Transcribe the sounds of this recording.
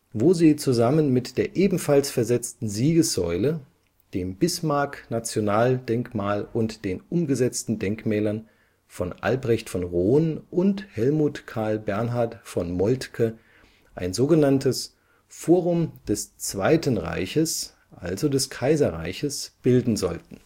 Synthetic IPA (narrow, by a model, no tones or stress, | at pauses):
voːziːt͡suzamənmɪtd̥eːɐʔeːbm̩falsfɛɐzɛt͡stn̩ziːɡəsz̥ɔʏlə | d̥eːmbɪsmaɐknat͡sjonaːld̥ɛŋkmaːlʔʊntd̥eːnʔʊmɡəzɛt͡stn̩dɛŋkmɛːlɐn | fɔnʔa̰lbʁɛçtfɔnʁoːnʔʊnthɛlmuːtkʰaɐlbɛɐnɦaɐtfɔnmɔltkʰə | ʔaɪnzoːɡənantʰəs | foːʁʊmd̥ɛst͡sv̥aɪtən̩ʁa̰ɪçəs | ʔa̰lzodɛskʰaɪzɐʁa̰ɪçəsb̥ɪldn̩zɔ̰ltn̩